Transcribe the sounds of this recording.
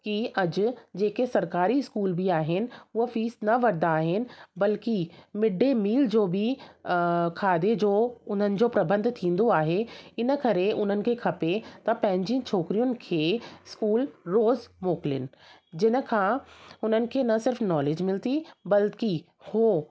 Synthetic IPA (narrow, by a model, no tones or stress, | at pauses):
kiɐd͡ʑʊd͡ʑeːkesɐɾkaːɾiɪskuːlbʱiaːɦɪnɪ̆ʊɦəfiːsnɐʋɐɾd̪aːɦɪnɪ̆bɐlkimɪɖʱemiːld͡ʑoːbɪ | kʰaːd̪ed͡ʑoːʊn̤ənɪ̆d͡ʑoːpɾɐbə̃nd̪ʱt̪ʰĩːn̆d̪oaːɦeɪnə̆kɐɾeʔʊn̤ənɪ̆kʰeːkʰɐpet̪ɐpɐ̃ɦɪ̃ɲd͡ʑĩt͡ɕʰoːkɾijʊnɪ̆kʰeːɪskuːlɾoːzmoːkɪlɪ̰nɪ̆ | d͡ʑɪnə̆kʰãːʊn̤ənɪ̆kʰeːnɐsɪɾfnɔːleːd͡ʑmɪlt̪ibɐlki | hoː